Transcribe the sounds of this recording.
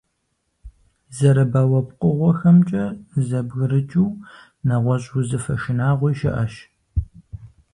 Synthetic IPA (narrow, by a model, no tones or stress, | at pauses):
zɐɾɐbaːwɐpqʼəʁʷɔxɐmt͡ʃʼɐzɐbɣɨɾɨt͡ʃʼuw | nɐʁʷɔɕʼuzɨfɐʃɪnaːʁʷɔjʃɪ̰ʔɐ̰ʃ